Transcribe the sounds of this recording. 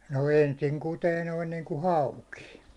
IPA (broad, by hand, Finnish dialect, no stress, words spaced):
no ensiŋ kuteː noin niːŋku hɑuki